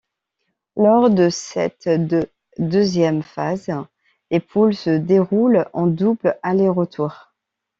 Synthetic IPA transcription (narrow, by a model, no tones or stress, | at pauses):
lɔʁd̪əsɛ̰t̪d̪ə | d̪əzjɛmfaz | lepʰulsəd̪eʁulɑ̃d̪ublaleʁət̪ʰuʁ